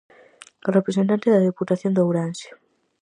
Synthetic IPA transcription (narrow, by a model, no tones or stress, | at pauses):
repɾes̬ent̪ant̪eðɐðeput̪aθjond̪owɾansi̥